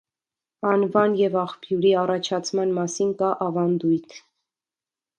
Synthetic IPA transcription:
ɑnvɑnjɛvɑχpʰjuɾiɑrɑt͡ʃʰɑt͡sʰmɑnmɑsinkɑʔɑvɑnd̪ujt̪ʰ

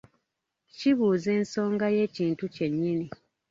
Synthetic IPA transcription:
ciβuːze̞ːnso̞ːŋɡaje̞ːciːntuce̞ɲːini

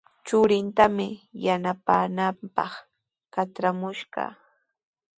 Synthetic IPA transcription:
t͡ʃʊɾɪnt̪amɪjanapaːnampɑ̰χ | kat͡ʃɾamʊʃɢɑ̰

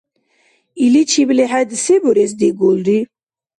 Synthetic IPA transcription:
ilit͡ʃʰiblɛħad̪sɛbuɾɛs̬d̪iɡulɾi

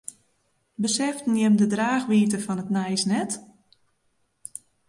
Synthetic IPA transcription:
bəsɛftn̩jɛmdədraːxʋiːt̬əfɔnətnɛjsnɛt

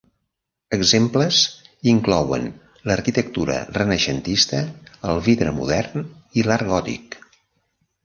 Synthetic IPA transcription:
əɡzempləziŋklɔwə̰n | ləɾkit̪ək̚t̪uɾə̰rənəʃənt̪ist̪əəlˠβiðɾəmṵðɛrnilaɾɣɔt̪ḭk

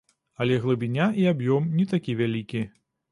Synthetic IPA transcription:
ɐlʲɛɣlˠɨbʲinʲaʔiabjɔmnʲɛt̪akʲivʲalʲikʲi

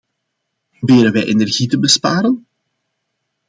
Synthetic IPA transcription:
probɪːɾənʋɛjʔenɛrɣitəbəspaːɾən

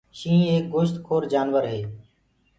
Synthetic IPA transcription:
ʃĩːeːk̚ɡʊʃt̪kʰoːɾd͡ʒaːnʋəɾɦeː

